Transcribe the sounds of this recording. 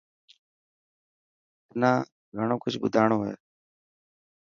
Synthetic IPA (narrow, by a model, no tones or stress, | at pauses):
ɪnãː | ɡʱəɳ̃õːkʊd͡ʒʱɓʊ̰d̪ʱaːɳõːɦḛː